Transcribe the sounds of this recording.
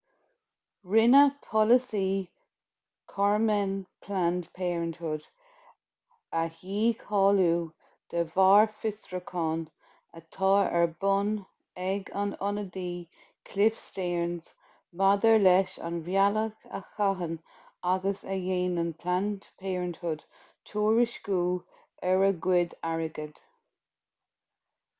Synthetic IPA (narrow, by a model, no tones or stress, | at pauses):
ɹɪnəpʰɔləsiː | kʰɔɹmɛnpʰlandpʰeːɹənt̪ʰoːd̪̥ | əhiːkʰɑːluː | d̪̥əvaːɹfɪsɹəkʰɑːn | ət̪ʰɑːɛ̰ɹbʊn | ɛɡanɔnəd̪iː | kʰlɪfsteːɹnz̥ | mad̪əɹlɛʃa̰nvjaləxə̰xaɦən | aɡəsəjeːnənpʰland̪pʰeːɹntʰhʊd̥ | tʰoːɹɪʃɡuː | ɛɹəɡwɪd̪aɹɪɡəd̪̥